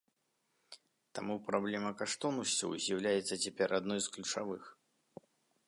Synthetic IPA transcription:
t̪amupɾablʲɛmɐkaʂt̪ɔnusʲt͡sʲɐ̰wzʲjawlʲajɛt̪sːɐt͡sʲɛpʲɛɾad̪nɔjsklʲut͡ʂavɨx

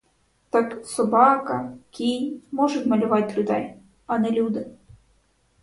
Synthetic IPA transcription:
t̪aksɔbakɐkʲijmɔʐɨt̪ʲmɐlʲʊvat͡sʲlʲʊd̪ɛj | ɐnɛlʲud̪ɨ

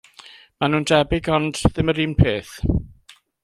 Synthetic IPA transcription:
manuːndɛbɪɡɔndðɪməɾiːmnpʰeːθ

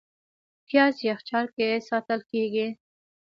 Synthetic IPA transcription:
kjɑsjaxt͡ʃɑɾkesɑt̪əlkeɡi

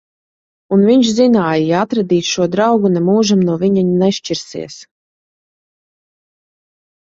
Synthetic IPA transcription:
unviɲʃzinaːjjaat̪ɾad̪ʲiːt̪ʃuɔd̪ɾawɡunɛmuːʒamnuɔvʲiɲaɲnɛʃt͡ʃiɾsḭɛs

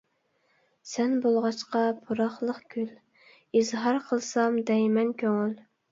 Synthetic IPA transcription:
sɛnbolˠʁɑʃqɑpʰuɾɑχlˠəqkʲʰyl | izɦɑɾqʰəlˠsɑmd̪ɛjmɛnkʲʰøŋyl

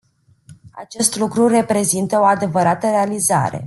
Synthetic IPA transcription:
a̰t͡ʃe̞st̪lukɾure̞pɾe̞zint̪əo̞ad̪e̞vəɾat̪əɾe̞aliza̰ɾe̞̰

